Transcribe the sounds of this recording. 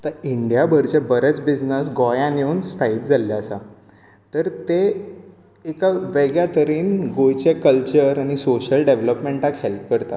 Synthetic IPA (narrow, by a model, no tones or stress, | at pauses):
t̪aiɳɖijabʱəɾt͡ɕebəɾət͡sbid͡znəsɡɔjãneuːnst̪ʰaiːt̪̚d͡zʱalːjaəsa̰ | t̪əɾt̪e | ekaʋeɡjat̪əɾiːnɡojt͡ɕekəlt͡ɕəɾãisoɕəlɖeʋləpmeɳʈakhelp̚kəɾt̪a̰